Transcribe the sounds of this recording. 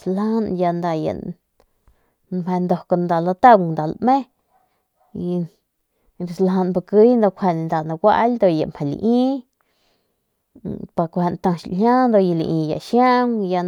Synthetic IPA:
sla˦nja˧nd̪a˧ja̰˨ | mhe˧nd̪o˧ko˧nd̪a˨lo˧t̪a˦˧nd̪a˨lmẽ˦˧ | ɾi˨slɦa˧nba˧ki˧˦jnd̪o˧kʷʰhe˧n˧nd̪a˨na˧ɡʷa̰˧ʔld̪o˧ja̰˨mhe˨lḭ˧ʔĩ˦ | pa˧˨kʷhe˧nt̪ã˧ʃhʲa˦nd̪o˧ji˧lḭ˧˨ʔĩ˧ja̰˨ʃja˦ŋja˧

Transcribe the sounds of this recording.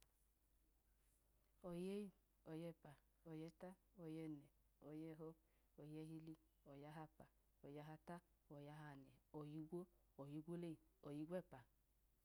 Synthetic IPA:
o˨je˦ji˦ | o˨jɛ˧˦˨pa˨ | o˨jɛ˧ta˦o˨jɛ˧˨nɛ˨ | o˨jɛ˦˨ɦɔ˧˦ | o˨jɛ˧˦ɦi˧li˧ | o˨ja˧˦ɦa˧pa˨ | o˨ja˧ɦa˧ta˦ | o˨ja˧ɦa˧˨nɛ˨o˨ji˧ɡʷo˦ | o˨ji˧ɡʷo˦le˦˨o˨ji˧˦ɡʷɛ˦˨pa˨

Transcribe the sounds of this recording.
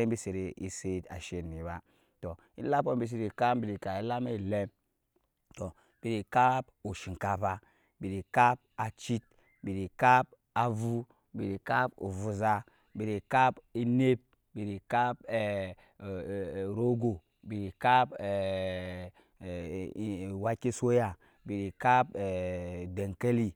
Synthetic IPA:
e˦bi˦˨se˨ɾe˨i˨se˦ta̰˨ʃe˦˨ni˨ba˦ | to˨ | i˦la˦po˦bi˦s̬i˨ɾi˨ka˦m˦bi˨ɾi˨ka˨i˦la˦me˦˨le˦m | to˨ | b̥i˨ɾi˨ka˦pu˨ʃi˨ŋ˨ka˨pa˦ | bi˨ɾi˨ka˦p̚a˨t͡ʃi˦t̚ | bi˨ɾi˨ka˦p | a˨vu˦ | bi˨ɾi˨ka˦pṵ˨vu˨za˦ | bi˨ɾi˨ka˦bi˦ne˦b̚ | bi˨ɾi˨ka˦bɛ˨ | ɾo˦ɡo˨ | bi˨ɾi˨ka˦bɛ˨˦˨ | wa˦ke˦so˦ja˨ | bi˨ɾi˨ka˦pe˨de˨ŋ˨ke˦li˦

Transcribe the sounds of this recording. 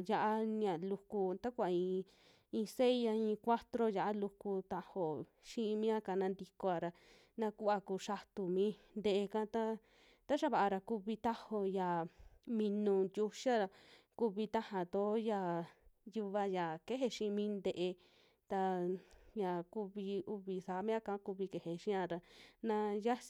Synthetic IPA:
ja˧ʔa˦n˧ã˨lu˧ku˧t̪a˦kʷa˨ĩ˧ | ĩ˧se˦i˦a˧ĩ˧kʷa˦t̪ɾo˦ja˧˨a˦lu˧ku˧t̪a˧ho˨ | ʃĩ˦ʔmĩ˦a˦ka˧˨nã˧nd̪i˧ko˧a˧˨ɾa˧ | nã˧ku˦a˧ku˧˨ʃa˧t̪u˨mĩ˧˦ | nd̪e˧ʔe˧kã˦t̪a˦ | t̪a˦ʃa˦βa˨ʔa˧ɾa˧ku˧βi˧t̪a˦ho˧ja˨mĩ˧nũ˧du˧ʃa˦a˧ | ku˧βi˧t̪a˦hã˨t̪o˨˦ja˧˨ju˧βa˧ja˨ke˦ɦe˧ʃĩ˧mĩː˦nd̪e˧ʔe˧ | t̪a˧ja˨ku˧βi˧u˧βi˨sa˨˦mĩ˦ã˦˧kã˧˦ku˧βi˧ke˨he˧˨ʃĩ˦ã˧˨ɾa˧nã˧ja˦s

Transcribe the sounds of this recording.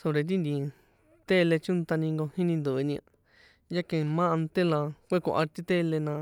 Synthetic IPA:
so˧ɾe˧t̪̬i˦nd̪i˧ | t̪e˦˧le˧t͡ʃũ˦nt̪a˧nĩ˧ŋɡo˧hĩ˦nĩ˧nd̪u˨˧nĩ˧a˧ | ja˦kẽ˨˧mã˦˧nt̪e˦lã˧kʷe˦kõ̰˧˨ʔa˧ɾt̪i˦t̪e˦le˧nã˧

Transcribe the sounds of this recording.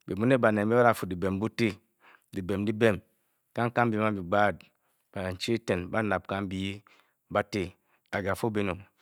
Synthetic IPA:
be˨mu˦ne˦ba˨ne˨bi˦ba˦ɾa˨fu˨di˨be˨mbu˦te˦ | di˨be˨mdi˦be˦˨m | ka˦ŋ˦ka˦m˦bi˨˦ma˦bi˨ɡ͡ba˦˨d̚ | ba˨n˨t͡ʃi˦te˨nba˦na˨b̚ka˦m˦bi˦ | ba˦te˦ | a˨ɡa˨fu˦be˦no˨

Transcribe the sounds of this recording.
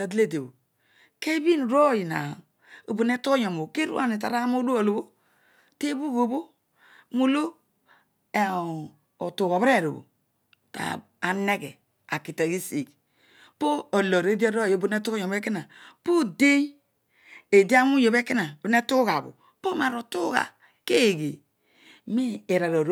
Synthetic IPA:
a˨di˦le˦˨de˨bo˨ | ke˦bi˦n˨ɾo˦˨ji˨na̰˨ | o˨bo˨ne˦tu˦o˦ɲo˨mo˨ke˦ɾṵ˦a̰˦ne˨t̬a˨ɾa˦mo˦do˦o˨lo˨bo˦ | te˦bu˦ɡo˨bo˦ | mo˨lo˦ | e˨ | o˨tu˨ɣo˨be˦˨ɾo˨bo̰˨ | ta̰˨ | a˨ne˦ɡɛ˨ | a˨ki˨ta˨ɡi˦si˨k | po˦o˨lɔ˨ɾe˦di˦ɔ˦ɾo˦˨jo˨˦bu˦n˦e˦tu˦ko˦ɲɔ˨m˦e˦ki˦na˨po˦de˦j | e˨di˦a˦mu˦jo˨be˦ki˦na˨bi˨˦ne˦tu˦ɣa˨bṵ˨ | po˦ma˨ɾo˨tu˦ɣa̰˨ | ke˦˨ɡe˨ | mi˦e˨ɾa˨ɾo˨ɾ

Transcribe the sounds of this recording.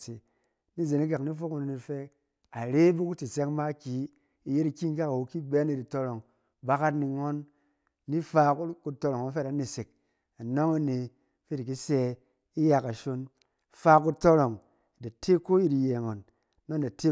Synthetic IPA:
t͡se˨ | ni˦ze˨ni˦k̬a˨kni˦fo˦ku˦ni˨ni˧fe˦ | a˨ɾe˦bu˦ku˦ti˨se˦kma˦kʲi˨˦ | i˨je˦ɾi˧kʲi˦ŋ˦ka˦ka˨wu˨˧ki˦be˦ni˧ɾi˨to˧ɾo˨ŋ | ba˦ka˦tni˧ŋo˦nː | i˦fa˧kku˧to˧ɾo˨ŋa˨˦fe˦ta˨˦ni˨se˨k̚ | a˨no˦ŋa˦ne˨˦ | fe˦di˨k̬i˦se˧ | i˦ja˧ka˨ʃo˧n | faː˧ku˧to˦ɾo˨ŋ˨ | da˨tʰe˦ko˦ji˧ti˧je˨ŋo˨nː | o˦n˨da˨te˦

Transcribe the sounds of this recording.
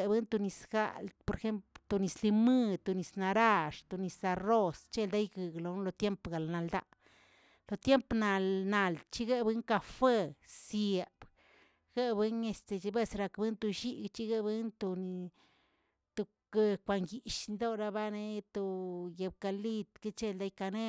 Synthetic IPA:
bɨ˦nt̪u˧ni˧sɡa̰˦˨lpo˧ɾxe˦mpt̪o˨ni˨˧sli˧mɨ˦t̪u˨ni˨sna˧ɾa˦˧ʂt̪o˨ni˨sa˧ro˦st͡ʃe˦ld̪a˦jɡɨ˨ɡlo˧n˦lo˧t̪je˦mpɡa˨lna˨ld̪a̰˧ | lo˨t̪je˦mpna˧lna˨lt͡ʃi˦ɡe˦bɨ˦ŋka˧fe˦sje˨b̥ | ɡ̥e˦be˧˦ne˧st̪e˨d͡ʒi˧be˦sɾa˧kbɨ˦nt̪u˧ʃi˦ɡt͡ʃi˦ɡe˦˧be˦nt̪o˧ni˧ | t̪o˧ | ke˧kʷa˨ŋɡi˨ʃni˧d̪o˦ɾa˧ba˦ne˦t̪o˨je˧b̚ka˧li˦t̪ke˦t͡ʃe˦ld̪a˦jka˧ne˦

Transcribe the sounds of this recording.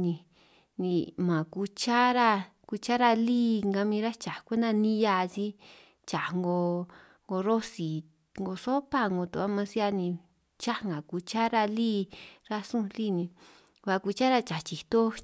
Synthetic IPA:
nĩ˧ | nĩ˧mã˨ku˧t͡ʃa˦ɾa˧ | ku˧t͡ʃa˦ɾa˧liː˦˨ŋɡa˧mĩ˧ɾa˦t͡ʃa˨kʷe˦nd̪ã˧nĩ˦ja˧t͡ʃi˦ | t͡ʃa˨ŋɡo˧ | ŋɡo˧ɾo˦si˨ | ŋɡo˧so˦pa˦ŋɡo˧t̪u˧a˦mã˧si˦a˧nĩ˧˨ | t͡ʃa˦ŋɡã˨ku˧t͡ʃa˦ɾa˧liː˦ɾa˧sũ˦˧li˦nĩ˧ | βa˧ku˧t͡ʃa˦ɾa˧t͡ʃa˨t͡ʃi˨t̪o˦

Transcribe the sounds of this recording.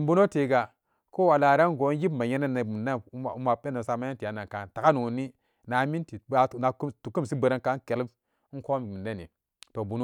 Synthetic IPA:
bu˦no˦te˨ɡa˨ | ko˦wa˨la˨ɾa˦n˦ɡo˨˦n˦ji˦bma˨je˦na˦na˨mi˨nda˦n˦˨u˦ma˨pe˦no˨sa˨ma˦ja˦n˦ti˨a˨˦na˨ŋ˨ka˨nta˨ka˦nu˨ni˦ | na˨mi˦nti˨˦˨na˨ktu˨ku˦m˨si˦bə˨ɾa˦ka˦n˦ke˨li˦b̩˦ | ko˦m˨mi˨nda˦nḭ˨ | to˨bu˨˦n˦

